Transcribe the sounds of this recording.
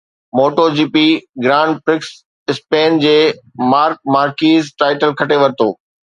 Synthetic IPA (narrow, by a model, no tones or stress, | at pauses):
moːʈod͡ʑiːpiɡɾãːɳɖpɾɪks | ɪspeːnd͡ʑeːmaːɾk̚maːɾkiːzʈaːɪʈəlkʰɐʈeʋɐɾt̪oː